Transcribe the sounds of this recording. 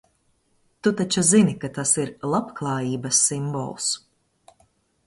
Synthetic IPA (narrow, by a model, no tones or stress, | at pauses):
t̪ut̪at͡ʃuzinikat̪asiɾlˠapklˠɑːjiːbɐsːimbɔ̰lˠs